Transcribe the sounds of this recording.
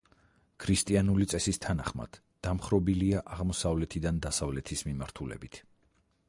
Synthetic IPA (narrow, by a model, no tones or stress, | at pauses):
kʰɾist̪ʼianulit̪sʼɛsist̪ʰanaχma̰d̪̥ːamχɾɔbiliaʔaʁmɔsavlɛt̪ʰid̪and̪asavlɛt̪ʰismimaɾt̪ʰulɛ̰bit̪ʰ